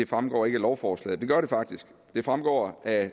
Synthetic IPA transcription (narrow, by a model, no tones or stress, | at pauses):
e̝fʁamɡ̥ɒ̰ːe̝ɡ̥əlɒʊfɒːslɛ̰ːd̥e̝ɡ̥ɶɐɾ̥e̝fɑ̈ɡ̥̚d̥isɡ̥ | d̥e̝fʁamɡ̥ɒ̰ːʔæ